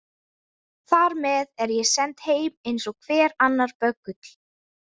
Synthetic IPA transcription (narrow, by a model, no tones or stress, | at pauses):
θaɾmɛðɛɾjɛsɛnt̪heːjmejnsɔɣkʰvɛːɾanːaɾ̥pœkːʏt̪l̥